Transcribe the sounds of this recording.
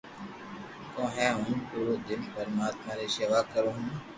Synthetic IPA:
kõːɦɛ̃ːɦʊ̃ːmkoːod̪ɪnpəɾmaːt̪mãːɾeːseːʋaːkəɾõːɦũː

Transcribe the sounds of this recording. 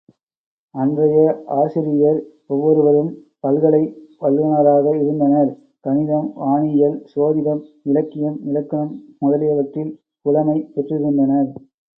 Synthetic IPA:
ɐndrɐjɐaːsɪɾɪjɐɾ | ɔʋːɔɾɯʋɐɾɯm | pɐlɣɐɭɐɪʋɐlɣɐnɐɾaːɣɐɪɾɯnd̪ɐnɐɾ | kɐnɪðɐmʋaːɳɪjɐlsoːðɪðɐmɪlɐkːɪjɐmɪlɐkːɐnɐmmʊðɐlɪjɐʋɐʈrɪl | kʊlɐmɐɪpɛʈrɯɣɪnd̪ɐnɐɾ

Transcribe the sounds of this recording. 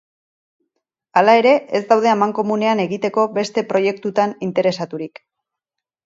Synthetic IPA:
alae̞ɾe̞ezd̪awðe̞amaŋko̞mune̞ane̞ɣit̪e̞ko̞be̞st̪e̞pɾo̞je̞kt̪ut̪anint̪e̞ɾe̞sat̪uɾik

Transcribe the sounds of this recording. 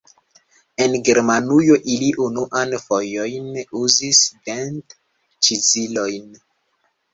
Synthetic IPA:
enɡeɾmanujoʔiliʔunuʔanfojojnuzisbent | t͡ʃizilojn

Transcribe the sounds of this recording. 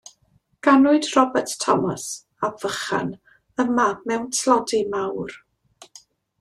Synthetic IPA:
ɡ̥anʊɨdrɔbɛrttʰːɔ̰məs | abvəχa̰n | əmamɛwntʰlˠɔdimawr

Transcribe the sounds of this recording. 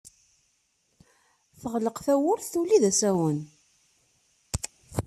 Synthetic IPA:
θəʁləqθæwʊɾθθuliðæsæwən

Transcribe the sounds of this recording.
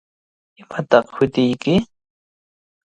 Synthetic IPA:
ɪmat̪ɑqhʊt̪ɪjkɪ

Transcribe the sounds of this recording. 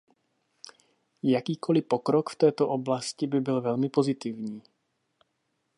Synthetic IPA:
jakiːkʰo̞lɪpo̞kɾokft̪ɛːt̪o̞ʔo̞blascɪbɪbɪlvɛlmɪpo̞zɪt̪ɪvɲiː

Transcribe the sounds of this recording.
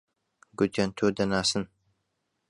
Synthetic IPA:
ɡʷʊt̪ʰɐnt̪ʰoːd̪ɐnaːsɨn

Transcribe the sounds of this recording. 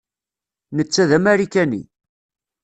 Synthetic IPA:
nət͡sːæðæmæɾikænḭ

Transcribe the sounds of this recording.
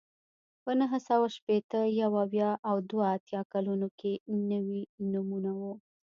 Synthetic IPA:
pənəɦəsawaʃpet̪əjawawjɑʔawd̪waːt̪jɑkalunokenəwinumunawu

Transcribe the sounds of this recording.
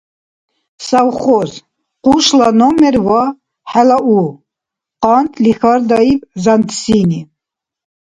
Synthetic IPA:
sawχɔz | quʃlanɔmɛɾva | ħælaʔu | qɑnt̪ʰlixaɾd̪aipzand̪sini

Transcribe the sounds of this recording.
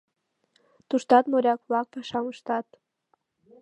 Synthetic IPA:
t̪uʃt̪ɑt̪moɾʲɑkβlɑk̚pɑʃɑməʃt̪ɑt̪

